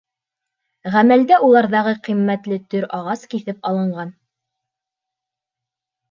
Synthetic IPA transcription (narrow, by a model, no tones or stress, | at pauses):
ʁæmæld̪æulˠɑɾðɑʁɤqimːæt̪lɘt̪ɵɾɑʁɑskiθɘpɑlˠɤ̆ɴɢɑn